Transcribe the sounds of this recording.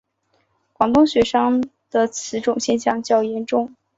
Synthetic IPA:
kwɑ˨˩ŋt̪ʊ˥ŋɕɥɛ˧˥ʂɑ˥ŋ | d̪̥ə˨t͡sʰɹ̩˧˥ʈ͡ʂʊ˨˩ŋɕjɛ˥˧nɕjɑ˥˧ŋt͡ɕjɑ˥˩ʊjɛ˧˥nʈ͡ʂʊ˥˧ŋ

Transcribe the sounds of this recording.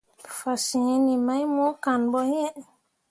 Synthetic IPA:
fa˨si˨˦ni˨ma˦jmɔ˦ka˨nbɔ˦jɛ˦ʔ

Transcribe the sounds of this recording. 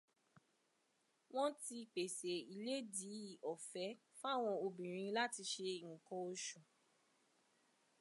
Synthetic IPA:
w̃ɔ̃˦ti˧k͡pe˨se˨i˨le˨˦di˨˦i˦˨ʔɔ˨fɛ˨˦ | fa˦˨w̃ɔ̃˧o˧bĩ˨ɾ̃ĩ˧la˦ti˧ʃe˧i˨ũ˨kɔ̃˧o˧ʃũ˨

